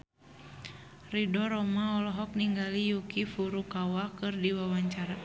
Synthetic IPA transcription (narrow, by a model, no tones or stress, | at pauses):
ridɔɾɔmaɔlɔɦɔk̚niŋɡalijukifuɾukawakɨrdiwawaɲt͡ʃaɾa